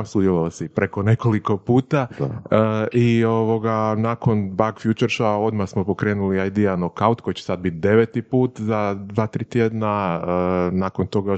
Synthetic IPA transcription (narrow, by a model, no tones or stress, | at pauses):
sud̪jelolsipɾeko̞ne̞ko̞liko̞puːt̪a | io̞ʋo̞ɡanako̞nbaɡfjut͡ʃeɾʃao̞d̪masmo̞po̞kɾe̞ːnuliajd̪ianokawt̪ko̞jt͡ɕesad̪̚bit̪̚d̪e̞ʋet̪ipuːt̪zad̪ʋaːt̪ɾiːt̪jed̪naənako̞nt̪o̞ɡa